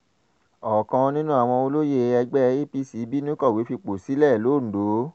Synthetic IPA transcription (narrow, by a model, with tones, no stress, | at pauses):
ɔ˨kã˧nĩ˦nũ˦a˦˨w̃ɔ̃˧o˧lo˦je˧˨ɛ˧ɡ͡bɛ˦˧i˦pi˦si˨˦bi˦nĩ˦kɔ˦˨we˨˦fi˧k͡po˨si˨˦lɛ˦˨lo˨˦˨n̩˨do˨˦